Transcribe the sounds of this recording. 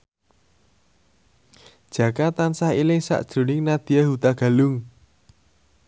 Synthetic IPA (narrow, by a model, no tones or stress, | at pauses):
d̥ʒ̥ä̤kat̪ansahilɪŋsa̰ʔd̥ʒ̥ɾo̤nɪŋnad̪̥iaɦut̪aɡ̥a̤lʊŋ